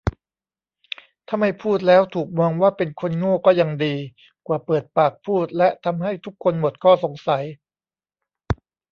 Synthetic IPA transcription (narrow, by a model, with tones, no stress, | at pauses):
t̪ʰa˥˩mːa˥˩jpʰuː˥˩t̪̚lɛː˦˥wt̪ʰuː˨˩k̚mɔː˧ŋwaː˥˩pe˧nkʰo˧nŋoː˥˩kɔː˥˩ja˧ŋdiː˧ | kwaː˨˩pɤː˨˩t̪̚paː˨˩k̚pʰuː˥˩t̪̚lɛ˦˥ʔt̪ʰa˧mɦa˥˩jt̪ʰu˦˥kʰːo˧nmo˨˩t̪̚kʰɔː˥˩so˩˦ŋsa˩˦j